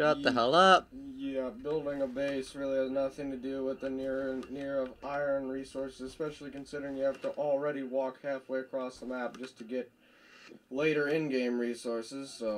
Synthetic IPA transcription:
ɑt̪̚ðəɦɛlˠʌp̚jæbɪlˠdɪ̃ŋəbeɪsɹɪlˠiɨznʌθɪ̃ŋtɨdɨwɪðɨnɪɹnɪɹʌʔaɪə̃˞nɹisɔɹsɨzɨspɛʃl̩ˠikɨ̃n̩sɪɾə˞ɪ̃ŋjɨhæftəʔl̩ˠɹɛɾiwɔkhæfweɪɨkʰɹ̥ɔsðəmæp̚d̥ʒ̥ʌstʰɨɡɛt̚ | leɪɾə˞ɪ̃nɡẽɪ̃mɹisɔɹsɪz̥soʊ

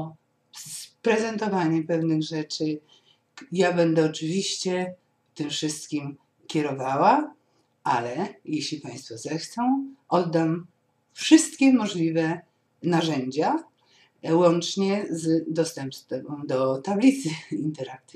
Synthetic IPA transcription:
spɾɛzɛnt̪ɔvaɲɛpɛvnɘɣʐɛt͡ʂɘ | jabɛnd̪ɛɔt͡ʂɘvʲiɕt͡ɕɛ | t̪ɘmfʂɘst̪kʲim | kʲɛɾɔvawa | ʔalɛjeɕlʲipaj̃st̪fɔzɛxt̪sɔ̃w̃ʔɔd̪ːam | fʂɘst̪kʲɛmɔʐlʲivɛ | naʐɛɲd͡ʑa | wɔnt͡ʂɲɛzd̪ɔst̪ɛmpst̪ɛbɔ̃d̪ɔt̪ablʲit̪sɘint̪ɛɾak̚t̪

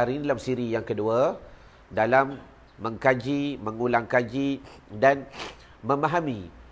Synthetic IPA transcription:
aɾidalamsiɾijaŋkədua | dalamː | ə̃ŋkad͡ʒiməŋulaŋkad͡ʒidan | mə̃maɦamĩ

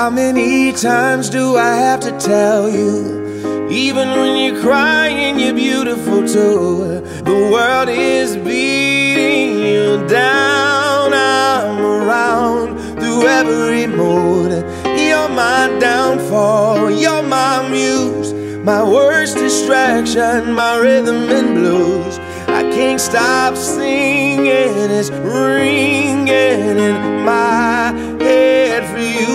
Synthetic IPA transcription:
haʊmɛnitʰãɪ̃mzdəaɪhæftɨtʰɛlˠju | ivɨ̃nwɨ̃njə˞kʰɹ̥aɪɪ̃njə˞bjʉɾɨfl̩ˠtʰo | ðəwɜ˞lˠɾɪzbiɾɪ̃ŋjɨdaʊʊ̃namə˞ãʊ̃n | θɹuɛvɹɹimod | əmaɪdãʊ̃nfɔjəmaɪmjuz̥ | maɪwɜ˞sd̥ɨstɹ̥ækʃɨ̃ñnmaɪɹɪðə̃mɨ̃nbloz | a̰ɪkʰæ̃ntstɑpsɪŋɪ̃nɪzɹɪŋɪnɪ̃nmaɪɪ | ɛvɹi

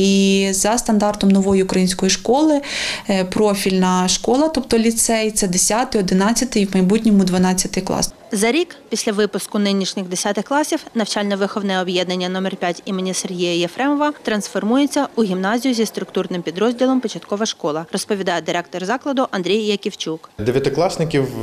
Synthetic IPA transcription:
izɐst̪ɐnd̪ɑrt̪ɔmnɔʋɔjiʊkɾɐjinʲsʲkɔjiʃkɔlˠɪpɾɔfʲilʲnɐʃkɔlˠɐt̪ɔp̚t̪ɔlʲit̪sɛjt̪t͡sʲɐd̪esʲat̪ɪɔd̪ɪnɑt͡sʲːɐt̪ɪjmɐjbutʲnʲɔmʊd̪ʋɐnɑt͡sʲːɐt̪ɪjklˠɑ̰s | zɐɾʲikpʲisʲlʲɐʋɪpʊskʊnɪnʲiʃnʲɪxd̪esʲat̪ɪxklˠɑsʲiwnɐwt͡ʃɑlʲnɐʋɪxɔwnɛɔbjɛd̪nɐnʲːɐnɔmɛrpʲjatʲimenʲiserɦʲijɐjefɾɛmɔʋɐt̪ɾɐnsfɔrmujet͡sʲːɐʊɦʲimnɑzʲijʊzʲist̪ɾʊkt̪urnɪmpʲid̪ɾɔzʲdʲilˠɔmpɔt͡ʃɐt̪kɔʋɐʃkɔlˠɐrɔspɔʋʲid̪ɑjɛd̪ɪɾɛk̚t̪ɔrzɑklˠɐd̪ʊʔɐnd̪ʲɾʲijjɐkʲiwt͡ʃukd̪eʋʲjɐt̪ɪklˠɑsnɪkʲiw

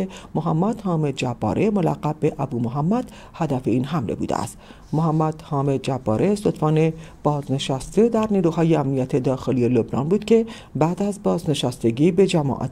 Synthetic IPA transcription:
emoɦæmːæd̪hɒːme̞d̪̚d͡ʒæb̥ːɒ̰ːɾʔemo̞læ̰ɣːæbe̞ʔæbuːmoɦæmːæd̪̥ | hæd̪æfe̞iːnɦæmlḛbṵd̪ḛæ̰st̪ | moɦæmːæd̪̥hɒːme̞d̪̚d͡ʒæbːɒːɾʔesot̪fɒːne | b̥ɒːzne̞ʃæst̪e̞d̪æɾniːɾuːhɒːjeæmnijæt̪ʰe̞d̪ɒːxe̞lije̞lo̞bnɒ̰ːnbuːd̪cʰe̞ | bæːd̪æzbɒːzne̞ʃæst̪e̞ɟiːbe̞d͡ʒæmɒ̰ːʔɒ̰ːt̪

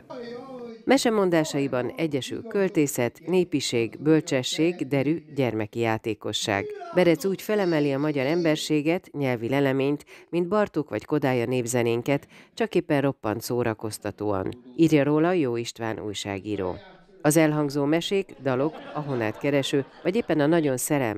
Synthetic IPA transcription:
mɛʃɛmo̞nd̪aːʃɒibɒnɛɟːɛʃy̰lkø̞lt̪eːsɛt̪neːpiʃeːɡbølt͡ʃɛʃːeːɡd̪ɛɾyɟɛrmɛkijaːt̪eːko̞̰ʃːa̰ːɡbɛɾɛt̪suːcfɛlɛmɛliɒmɒɟɒɾɛmbɛrʃeːɡɛt̪ɲɛlvilɛlɛmeːɲt̪mind̪̚bɒrt̪oːkʋɒcko̞d̪aːjɒneːbzɛneːŋkɛt̪t͡ʃɒkeːpːɛnro̞pːɒnt̪soːɾɒko̞st̪ɒt̪oːɒ̰niːrjɒɾoːlɒjoːiʃt̪ʋa̰ːnṵːjʃa̰ːɡiːɾo̰ː | ɒzɛlɦɒŋɡzoːmɛʃeːɡd̪ɒlo̞kɒɦo̞na̰ːt̪kɛɾɛʃøːvɒɟeːpːɛnɒnɒɟo̞nsɛɾɛ̰m

